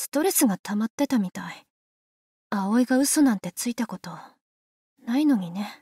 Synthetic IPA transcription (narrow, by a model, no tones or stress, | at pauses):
sɨ̥t̪o̞ɾe̞sɨɡat̪ʰamat̪ːe̞t̪amʲit̪ai | ao̞iɡaɯ̟so̞nãnt̪e̞t͡sɨit̪ako̞t̪o̞ | naino̞ɲ̟ine̞